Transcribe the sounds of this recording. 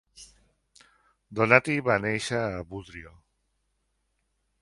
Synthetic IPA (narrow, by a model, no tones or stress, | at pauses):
d̪onat̪iβanejʃaːβuðɾio